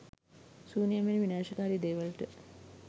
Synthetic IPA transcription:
suːnijameniʋinaːʃɐkaːɾiːd̪eːʋəlʈə

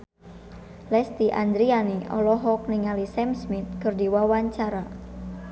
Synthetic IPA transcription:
lɛst̪iʔand̪ɾianiʔɔ̰lɔɦɔk̚niŋalisɛmsmit̪̚kɨrdiwawaɲt͡ʃaɾa

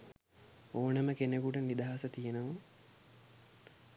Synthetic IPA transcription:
oːnəməkenekuʈənid̪aɦasət̪ijenəʋu

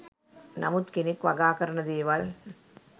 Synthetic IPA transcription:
nɐmut̪kinikʋɐɡaːkɐɾɐnɐd̪iːʋɐl

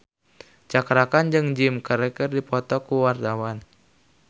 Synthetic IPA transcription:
t͡ʃakɾakand͡ʒɨŋd͡ʒimkəɾɛkərdipɔt̪ɔkuwart̪awan

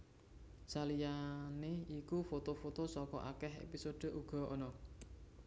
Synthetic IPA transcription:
salijaneikufot̪ofot̪osɔkɔʔa̰kɛhḛpisoɖ̥ə̤ʔuɡ̥ɔ̤ʔɔ̰nɔ

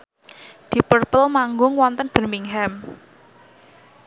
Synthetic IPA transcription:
d̪̥i̤pərpəlmaŋɡʊŋwɔnt̪ənb̥ə̤rmiŋɦɛm

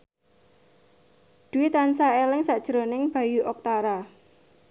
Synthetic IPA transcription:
d̪̥uwit̪ansaelɪŋsaʔd̥ʒ̥ɾonɪŋb̥a̤juʔɔk̚t̪aɾa

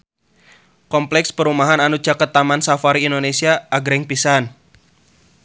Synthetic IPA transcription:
kɔmplɛkspəɾumaɦananu̥d͡ʒ̥akət̪ːamansafaɾiːndonesiaʔːɡɾɛŋpisan

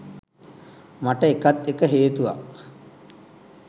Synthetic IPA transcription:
maʈəekat̪ːekəɦeːt̪uʋa̰k̚

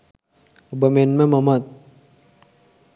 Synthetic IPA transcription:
bɐmenmẽmɐmɐt̪̚

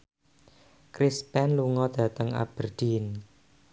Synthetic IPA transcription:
kɾispɛnluŋɔd̪̥ä̤t̪əŋa̰b̥ərd̪̥in

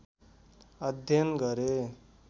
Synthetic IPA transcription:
ʌd̪ʱjʌnɡʌɾe

